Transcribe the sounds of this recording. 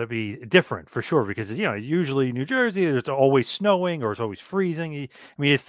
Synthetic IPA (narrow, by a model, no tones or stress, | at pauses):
ɨb̥idɪfɹɨ̰̃ntfə˞ʃʊɹbɨkʰʌzɨjɨnoʊjʉʒl̩ˠinʉd͡ʒɜ˞ziəɨtsɔlˠwiz̥snoʊɪ̃ŋə˞ɨtsɔlˠwiz̥fɹizɪ̃ŋ | aɪmĩnɨt